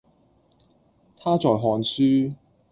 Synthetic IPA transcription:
t̪ʰaː˥t͡sɔː˨˩jɦɔː˨˧nsyː˥

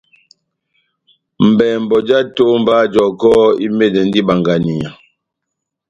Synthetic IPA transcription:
m̩˨bɛ˨m˨bɔ˨d͡ʒa˦to˦m˦ba˦d͡ʒɔ˨kɔ˦i˦me˦˨dɛ˨n̩˦di˦ba˨ŋɡa˨ni˨a˨

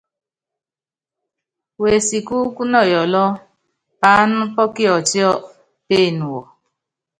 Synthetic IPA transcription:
we˨si˨ku˦ku˦nɔ˦˨jɔ˨lɔ˦ | paː˨˦nʊ̃˦pɔ˦ki˦ɔ˨t͡ʃi˦ɔ˦˨ | pe˦˨nũ˨wɔ˨

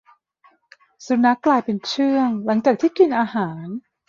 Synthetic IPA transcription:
su˨˧˦na˦˥kːlaː˧jpe˧nt͡ɕʰɯ˥˩əŋla˩˦ŋt͡ɕaː˨˩k̚t̪ʰiː˥˩ki˧nʔaː˧haː˩˦n

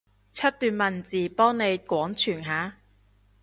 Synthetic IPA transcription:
t͡sʰɐ˥t̚t̪yː˨nmɐ˨˩nt͡siː˨˩pɔː˥ŋne˨˧jkʷɔː˨˥ŋt͡ʃʰyː˨˩nɦaː˨˥

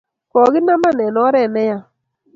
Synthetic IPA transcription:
kɔ˨ɣɪ˦na˦ma˦nɛ˨nɔ˦ɾɛ˦˨nɛ˦ja˦

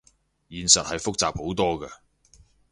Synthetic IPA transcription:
jiː˨nsɐ˨t̚hɐ˨jfʊ˥k̚t͡saː˨p̚ho˨˥wt̪ɔː˥ɡɐ˧

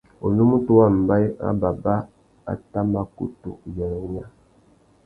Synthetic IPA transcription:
o̰˨lu˦mu˦tu˦wa˦˨m̩˨ba˦a̰˦ba˨ba˦ | a̰˨ta˦ma˨kṵ˦tṵ˨jɛ˨ɾɲa˦

